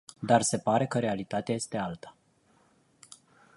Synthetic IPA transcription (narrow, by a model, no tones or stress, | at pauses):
d̪arse̞paɾe̞kəɾe̞alit̪at̪eaje̞st̪e̞alt̪ḁ